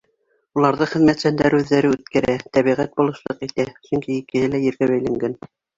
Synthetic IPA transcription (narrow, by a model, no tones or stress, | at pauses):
ulˠɑɾðɤχɘ̆ðmæt̪sænd̪æɾʉðːæɾɘʉt̪kæɾæt̪æβiʁæt̪̚bulˠɤ̆ʃlˠɤqit̪æsɵŋkiikɘ̆hɘlæjɘ̆ɾɡæβæjlæŋɡæn